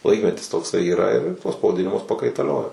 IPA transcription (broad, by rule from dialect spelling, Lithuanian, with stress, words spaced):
ˈlˠɐɪkmʲɛtʲɪs toːkˈsɐɪ iːˈrɐ ɪr tuɔs pɐʋɐˈdʲɪnʲɪmʊs pɐkɐɪtɐˈlʲoːjoː